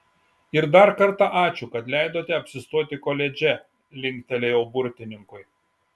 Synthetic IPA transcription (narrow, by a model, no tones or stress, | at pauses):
ɪɾd̪ɐɾkɐɾt̪ɑʔɑːt͡ʃʲʊkɐt̪lʲɛɪd̪oːt̪ʲɛɐpʲsʲɪst̪uɔt̪ʲɪkoːlʲɛd͡ʒʲɛ | lʲɪŋʲkʲt̪ʲɛlʲɛjɛʊbʊɾʲt̪ʲɪnʲɪŋkʊɪ